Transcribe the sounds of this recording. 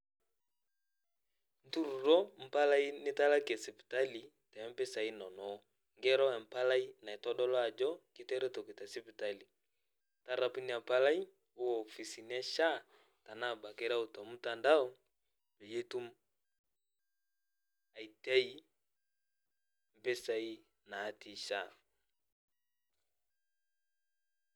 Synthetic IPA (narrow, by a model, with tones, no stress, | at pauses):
n˦tu˦ɾu˨ɾɔ˦m̩˨pa˦la˦i˦nɪ˦ta˦la˦kɛ˨sɛ˨pi̥˨ta˦li˨ | tɛ˨˦m˦bɛ˦sa˨i˦nɔ˨nɔ˨˦ | ŋɡɛ˦ɾɔ˦ɛ˨m̩˨pa˦la˦i˦na˨ɛ˨tɔ˦ɗɔ˦lɔ˦a˨d͡ʒɔ˦kɪ˦tɛ˦ɾɛ˦tɔ˨ki˨ta˨si˦pi˨ta˦li˨ | ta˦ɾa˨pi˦ni˨a˨pa˦la˦i˦ | o˦ɔː˨fi˨si˨nɪ˦a˦ʃa˦˨ | ta˨na˦˨ba˨ke˦ɾa˦u˨ta˨mu˦ta˨nda˦ɔ˦ | be˨je˦tu˦m | a˨i˨tɛ˦i˦ | m̩˦pe˦sa˨i˦ | naː˨˦ti˦ʃa˦˨